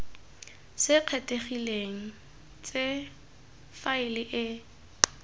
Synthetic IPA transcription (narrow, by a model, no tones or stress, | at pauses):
sɪq͡χʰɛtʼeχileŋ̩ | t͡sʼe | faɪlɪʔɪ